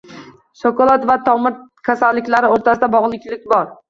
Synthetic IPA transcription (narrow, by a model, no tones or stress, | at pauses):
ʃɒkɒlˠɒt̪vat̪ʰɒmɪɾkʲʰasalːɪkʲlaɾɪoɾt̪ʰasɪd̪abɒʁlˠɪkʲlɪk̚ʲbɒɾ